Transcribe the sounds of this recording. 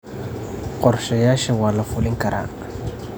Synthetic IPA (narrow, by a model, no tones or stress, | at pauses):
qʼɔɾʃɛjaʃɛwalafuliŋkaɾa̰ŋa